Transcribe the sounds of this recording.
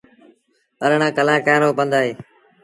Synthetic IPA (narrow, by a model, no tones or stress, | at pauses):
əɾɳãːkəlaːkaːɾoːpə̃nd̪aːɦeː